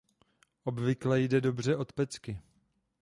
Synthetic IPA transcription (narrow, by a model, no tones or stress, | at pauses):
ʔo̞bvɪklɛjdɛdo̞br̝ɛʔo̞t̪pɛt͡skɪ